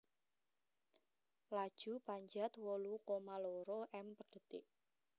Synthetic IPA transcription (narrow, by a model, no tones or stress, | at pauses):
lad̥ʒ̥ṳpaɲd͡ʒat̪wɔlukɔmalɔɾɔʔɛmpəɖ̥ə̤t̪ɪʔ